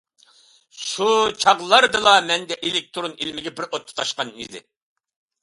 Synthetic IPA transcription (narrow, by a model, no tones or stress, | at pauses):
ʃut͡ʃʰɑʁlˠɑɾd̪ɨlˠɑmɛnd̪ɛʔelɪk̚t̪ʰuɾunilmɪɡʲɛbɪɾot̪ʰːɨ̥t̪ʰɑʃqɑnḭd̪ɪ̰